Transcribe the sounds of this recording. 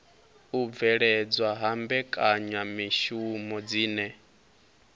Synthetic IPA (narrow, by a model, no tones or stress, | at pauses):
ub̪vɛɺɛd͡zwaɦambɛkʼaɲamiʃumɔd͡ziːnɛ